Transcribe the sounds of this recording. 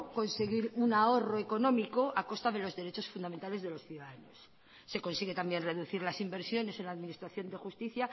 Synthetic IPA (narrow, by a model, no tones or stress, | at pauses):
ko̞nse̞ɣ̞iɾunao̞roeko̞nõ̞miko̞ʔako̞st̪aðe̞lo̞zðeɾe̞t͡ʃo̞sfund̪amẽnt̪ale̞zðelo̞sθjuðaðanosː | e̞ko̞nsiɣe̞t̪ambje̞nre̞ðuθiɾlasimbeɾsjo̞ne̞se̞nlaðminist̪ɾaθjo̞nd̪e̞xust̪iθja